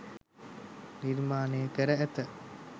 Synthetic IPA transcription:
niɾmaːnejəkəɾəæt̪ə

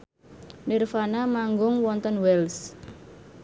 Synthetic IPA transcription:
nirfanamaŋɡʊŋwɔnt̪ənwɛls

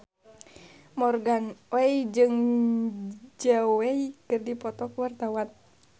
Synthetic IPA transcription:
mɔrɡanwɛid͡ʒɨŋ | d͡ʒɛwɛjkɨrdipɔt̪ɔkuwart̪awan

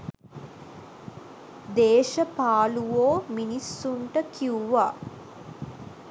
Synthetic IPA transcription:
d̪eːʃəpaːluʋoːminisːuɳʈəkʰiuʋaː

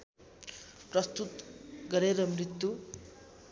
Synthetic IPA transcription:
prʌst̪ut̪ɡʌɾeɾʌmrit̪ːu

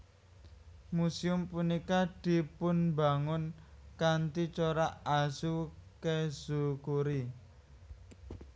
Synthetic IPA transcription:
musiʊmpunikad̪̥i̤pʊnba̤ŋʊnkant̪it͡ʃoɾaʔasukez̥ṳkuɾi

